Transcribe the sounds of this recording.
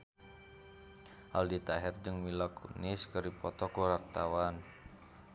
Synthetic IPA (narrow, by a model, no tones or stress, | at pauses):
ʔaldit̪aɦɛrd͡ʒɨŋmilɔkṵnɪskəripɔt̪ɔkuɾart̪awan